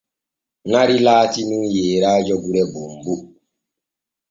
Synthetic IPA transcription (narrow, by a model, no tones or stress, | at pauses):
naɾilaːtinunjeːɾaːd͡ʒɔɡuɾɛbumbu